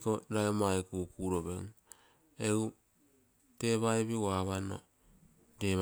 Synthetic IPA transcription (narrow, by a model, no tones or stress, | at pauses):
koɾaemaekukuɾoβeŋ | eu | teβaeβiwaβano̰ | deβ